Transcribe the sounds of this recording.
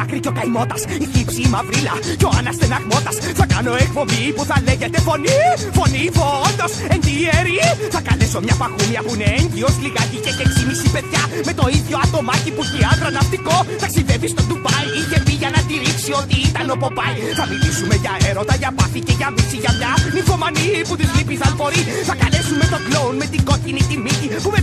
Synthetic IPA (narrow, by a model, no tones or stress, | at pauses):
ɐkɾicokɐjmo̞t̪ɐsiçipsiːmɐvɾilɐceo̞anɐst̪enɐɣmo̞t̪ɐsθɐkɐno̞ekpo̞mipuθɐleʝet̪efo̞ni | fo̞niːfond̪o̞send̪ieɾiθɐkɐleso̞mɲɐpɐxumiɐpuneeɲɟio̞sliɣɐcicekeksimisipe̞ðʝɐme̞t̪o̞iðʝo̞ɐt̪o̞mɐciput̪iɐnd̪ɾɐnɐft̪iko̞θɐksivevist̪ond̪upɐjiʝepiʝɐnɐt̪iɾiksio̞t̪iit̪ɐno̞po̞pɐj | θɐmilisumeʝɐeɾot̪ɐʝɐpɐθiceʝɐmisiʝɐmɲɐnifomɐniput̪izlipiθɐnfo̞ɾiθɐkɐlesumet̪oklounmet̪iɡo̞cinit̪imicipume